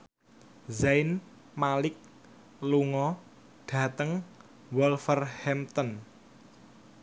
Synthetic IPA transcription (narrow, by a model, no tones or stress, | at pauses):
zaɪn | malɪk̚ | luŋɔ | ɖ̥a̤t̪əŋ | wɔlfərhɛmt̪ɔn